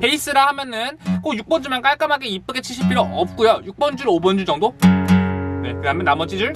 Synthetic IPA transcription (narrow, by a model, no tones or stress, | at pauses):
pʰe̞is͈ɯɾahamjʌnɯnk͈ojuk̚p͈ʌnd͡ʑumank͈aɭk͈amaɡeip͈ɯɡet͡ɕʰiɭɕʰipʰiɾoʔʌp̚k͈ujojuk̚p͈ʌnd͡ʑuɾobʌnd͡ʑud͡ʑʌŋdo | ne̞kɯdaɦamjenamʌd͡ʑid͡ʑɯɭ